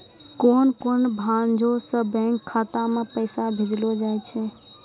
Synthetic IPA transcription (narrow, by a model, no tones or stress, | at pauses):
koːnkoːnbʱãnd͡ʒosə̃bɛ̃ŋkʰːaːt̪amẽpəsabʱed͡ʒlod͡ʒajt͡ʃʰɛ